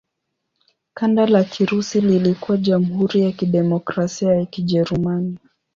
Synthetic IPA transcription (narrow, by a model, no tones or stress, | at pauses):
kandalakʰiɾusililikuwaʄam̩huɾijakiɗɛmɔkɾasiajakiʄɛɾumani